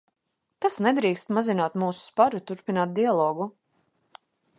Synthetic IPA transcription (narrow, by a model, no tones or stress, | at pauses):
t̪asnɛd̪ɾiːkst̪mazinaːt̪muːsu̥spaɾut̪uɾpinaːt̪̚d̪ialˠɔːɡu